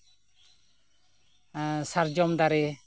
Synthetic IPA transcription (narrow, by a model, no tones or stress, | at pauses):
saɾd͡ʒɔmd̪aɾɛ